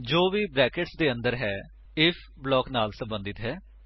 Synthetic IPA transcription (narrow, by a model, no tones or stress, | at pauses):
d͡ʒoːʋiːbɾɛːkɪʈsd̪eːə̃nd̪əɾɦɛː | ɪfʰ | blɔːknaːlsəmbə̃nd̪ɪt̪ɦɛː